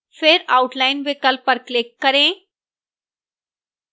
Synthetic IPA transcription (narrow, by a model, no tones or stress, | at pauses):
feːɾauʈlainʋikəlpəɾklekːəɾẽ